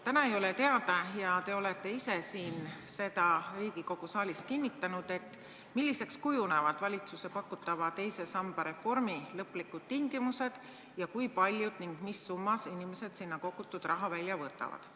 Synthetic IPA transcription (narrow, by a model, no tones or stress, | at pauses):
t̪ænɑe̞jo̞le̞t̪e̞ɑd̪̥ɑjɑt̪e̞o̞le̞t̪ːˑe̞ise̞siːnse̞d̪̥ɑriːɡ̥iko̞ɡ̥usɑːlʲis̚kinːit̪ːˑɑnud̪̥e̞t̪ːˑ | milːise̞kskujune̞vɑd̪̥vɑlʲit̪suse̞pɑkːˑut̪ːˑɑvɑt̪e̞jse̞sɑmb̥ɑɾe̞fo̞rmilɤpːˑlikːud̪̥̚t̪iŋɡ̥imuse̞d̪̥ | jɑkujpɑlʲjud̪̥niŋɡ̥misːumːɑsinime̞se̞d̪̥sinːɑko̞kut̪ːˑud̪̥rʔɑɦɑvælʲːjɑvɤːt̪ːˑɑ̰vɑ̰d̪̥